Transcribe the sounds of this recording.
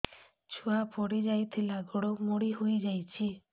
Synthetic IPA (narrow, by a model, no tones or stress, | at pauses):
t͡ʃʰuapɔɽid͡ʒajt̪ʰilaɡɔɽomoɽiɦojd͡ʒajt͡ʃʰi